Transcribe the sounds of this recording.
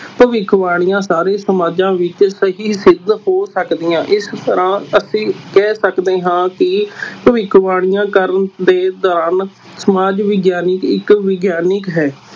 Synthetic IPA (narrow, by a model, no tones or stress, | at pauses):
pəʋɪkʰʋaːɽ̃ɪjãːsaːɾeːsəmaːd͡ʒãːʋɪt͡ʃsəɦiːsɪd̪hoːsəkd̪ɪjãːʔɪst̪əɾãːəsĩːkɛːsəkd̪eːɦãːkɪpəʋɪkʰʋaːɽ̃ɪjãːkəɾənd̪eːd̪ɔːɾaːn | səmaːd͡ʒʋɪɡjaːnɪkɪkʋɪɡjaːnɪkɦɛː